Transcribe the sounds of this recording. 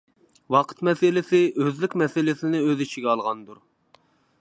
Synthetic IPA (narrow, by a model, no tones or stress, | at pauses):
wɑqʰə̥t̪mɛsɪlɪsɪʔøzlɪkʲmɛsɪlɪsɪnɪøzɪt͡ʃʰiɡʲɛɑlˠʁɑnd̪uɾ